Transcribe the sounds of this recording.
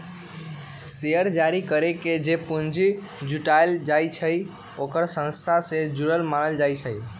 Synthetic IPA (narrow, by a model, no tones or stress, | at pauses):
sejəɾd͡ʒaɾikəɾeked͡ʒepund͡ʒi | d͡ʒuʈaeld͡ʒajt͡ʃʰəj | okəɾsə̃nst̪ʰased͡ʒuɾəlmanəld͡ʒajt͡ʃʰəj